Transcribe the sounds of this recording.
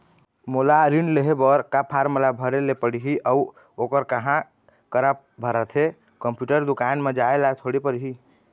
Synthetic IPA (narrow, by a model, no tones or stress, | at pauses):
molaɾinleɦebəɾkapʰaɾməlabʱəɾelepəɽiɦiʔəu | okəɾkəɦã | kəɾa | bʱəɾət̪ʰe | kəmpjuʈəɾd̪ukanmed͡ʒaelaet̪ʰoɽipəɽɦi